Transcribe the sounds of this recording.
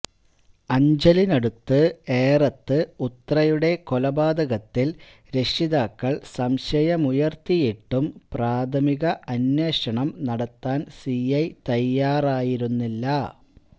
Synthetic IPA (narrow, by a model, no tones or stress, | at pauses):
ɐɲd͡ʑɐlinɐɽut̪ːɨeːrɐt̪ːɨut̪ːrɐjuɽe̞kolɐbaːd̪ɐɣɐt̪ːil | ɾe̞ʂiðaːkːɐɭsɐmɕɐjɐmujɐrt̪ijiʈːumpraːd̪ʱʰɐmiɣɐʔɐnjweːʂɐɳɐmnɐɽɐt̪ːaːnsiɐjt̪ɐjːaːraːjiɾunːilːɐ